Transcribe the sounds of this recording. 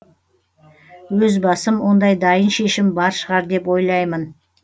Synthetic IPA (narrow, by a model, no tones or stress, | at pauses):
wɵzbɑsəmwo̞nd̪ɑjd̪ɑjənʃe̞ʃɪmbɑɾʃəʁɑɾd̪e̞pwo̞jlˠɑjmən